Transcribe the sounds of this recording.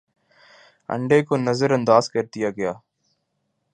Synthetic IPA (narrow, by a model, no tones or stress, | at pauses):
ə̰ɳɖeːkoːnəzəɾə̃nd̪aːzkəɾd̪ɪjaːɡɪjaː